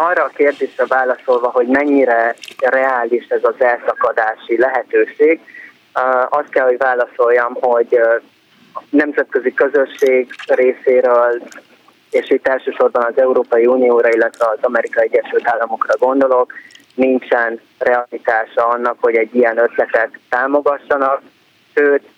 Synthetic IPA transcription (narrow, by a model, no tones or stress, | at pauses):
ɒrːɒːkeːrd̪eːʃrɛvaːlɒso̞lvɒɦo̞ɟmɛɲːiɾɛrɛaːliʃɛzɒzɛlsɒkɒd̪aːʃilɛɦɛt̪øːʃeːɡ | ɒst̪̚kɛlho̞ɟvaːlɒso̞lːɒmho̞ɟ | nɛmzɛt̪̚kø̞zikø̞zøʃːeːɡreːseːɾøːl | eːʃit̪ːɛlʃøːʃo̞rbɒnɒzɛuɾoːpɒjiuːnijoːɾɒilːɛt̪ʋɛɒzɒmɛɾikɒiɛɟːɛʃylt̪aːlːɒmo̞krɒɡo̞nd̪o̞lo̞k | nint͡ʃɛn | rɛɒlit̪aːʃɒɒnːɒkho̞ɟɛɟːiɛnø̞t̪lɛt̪ɛt̪ːaːmo̞ɡɒʃːɒnɒk | ʃøːt̪